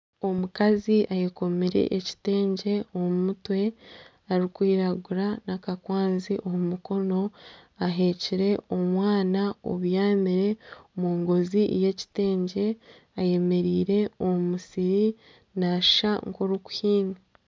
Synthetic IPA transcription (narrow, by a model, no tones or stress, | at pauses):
o̞mukaziʔajeko̞miɾe̞̰ʔeci̥te̞ːɲɟe̞oumutwe̞ | aɾikwiːɾaɡuɾanakakwaːnziʔomumuko̞no̞aɦe̞ciɾe̞omwaːnao̰βjaːmiɾe̞omuːŋɡo̞zije̞ci̥te̞ːɲɟe̞ | aje̞me̞ɾiːɾe̞omumusiɾi | naʃaŋkoɾuku̥hiːni